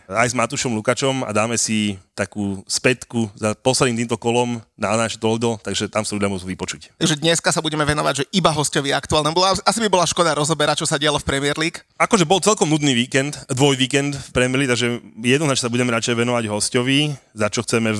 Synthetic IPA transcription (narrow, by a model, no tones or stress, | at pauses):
ajzmat̪uʃɔmlukat͡ʃɔma̰d̪aːmɛsit̪akuːspɛt̪kuzapɔslɛd̪imt̪iːmt̪ɔkɔlɔmnaat͡ʃɛt̪ɔɔd̪ɔlt̪aɡʒɛt̪amsaud̪ʎlamuɔzuʋipɔt͡ʃuct̪aɡʒɛd̪ɲɛskasabuɟɛmɛʋɛnɔʋaɟʒɛʔibaɦɔscɔʋiakt̪ualnɛmbɔlʔasibibɔlaʃkɔd̪aɾɔzɔbɛɾat͡ʃɔsaɟɪalɔfpɾɛmɪɛɾliːkakɔʒɛbɔlt͡sɛlkɔmnud̪niʋiːkɛnt̪d̪ʋɔjʋiːkɛnd̪fpɾɛmiɛɾlikt̪aɡʒɛjɛjɛd̪nɔznat͡ʃɲɛsabuɟɛmɛɾat͡ʃɛjɛʋɛnɔʋaɟɦɔscɔʋi | zat͡ʃɔxt͡sɛmɛ